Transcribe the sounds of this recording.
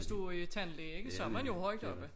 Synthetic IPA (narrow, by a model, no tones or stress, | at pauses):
sd̥uɐit͡sʰænleːeɡ̥əsɒ̽æɐmænjo̝ɦɒɪ̰d̥ɒ̽b̥ə